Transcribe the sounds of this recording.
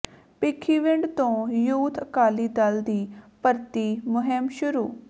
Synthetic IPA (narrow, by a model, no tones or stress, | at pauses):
pɪkʰːiːʋɪ̃ɳɖt̪õːjuːt̪ʰəkaːliːd̪əld̪iːpəɾt̪iːmʊɦɪmʃʊɾuː